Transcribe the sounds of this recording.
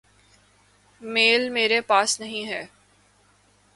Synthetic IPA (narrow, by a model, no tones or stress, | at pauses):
meːlmeːɾepaːsnɐɦĩɦɛː